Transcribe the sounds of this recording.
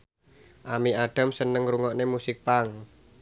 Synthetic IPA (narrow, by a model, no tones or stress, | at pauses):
ʔamiʔaɖ̥a̤msənəŋruŋɔʔnemusɪk̚paŋ